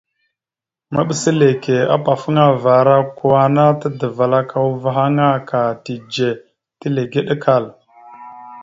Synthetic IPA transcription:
ma̰˦ɓə˨˦sə˦le˨ke˨a̰˦pa˨fə˦ŋa˦va˨ɾa˦ku˨wa˨na˦tə˦də˨va˨la˦kʰa˨wu˦va˨ɦa˦ŋa˦ka˨ti˨d͡ʒe˨ | tə˦le˨ɡe˦ɗə˦ka˦˨l

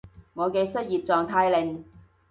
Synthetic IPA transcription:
ŋɔː˨˧keː˧sɐ˥t̚jiː˨˩p̚t͡sɔː˨ŋt̪ʰaː˧jlɪ˨˧ŋ

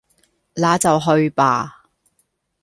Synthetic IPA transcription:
laː˨˥t͡sɐ˨wɦɵ˧ɥpa̰ː˨˧

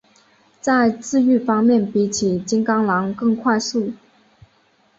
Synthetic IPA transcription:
t͡sa˥˧ɪt͡sɹ̩˥˧y˥˩fɑ˥ŋmjɛ˥˩npi˧˥t͡ɕʰi˨˩t͡ɕi˥ŋkɑ˥ŋlɑ˧˥ŋkɤ˥˧ŋkʰwa˥˧ɪsu˥˩

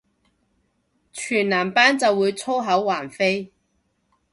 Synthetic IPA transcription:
t͡ʃʰyː˨˩nnaː˨˩mpaː˥nt͡sɐ˨wːuː˨˧jt͡sʰo˥ɦɐ˨˥wwaː˨˩nfe˥j

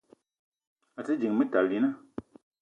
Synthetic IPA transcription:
zə˥ɦd͡ʑə˨ŋmət̪a˨li˨na

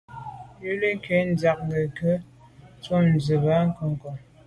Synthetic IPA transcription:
jə˦le˦ke˨˦n̩˦d͡za˨k̚ŋɡə˨kə˦ | t͡so˦n˨zə˨ba˨˦ŋ̩˦ko˨ŋ˨ko˨

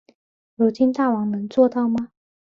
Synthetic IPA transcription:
ɻu˧˥t͡ɕi˥nt̪a˥˩wɑ˧˥ŋnə˧˥ŋt͡swɔ˥˧t̪ɑ˥˩ʊmɐ˩

